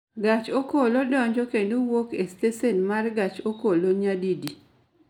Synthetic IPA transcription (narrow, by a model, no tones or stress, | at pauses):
ɡat͡ʃokolodɔɲd͡ʒokendowokestesenmarɡat͡ʃokoloɲadidi